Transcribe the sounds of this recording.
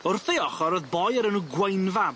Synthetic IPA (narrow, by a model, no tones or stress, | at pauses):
ʊrθejɔχɔɾɔðbɔjəɾənuɡwejnva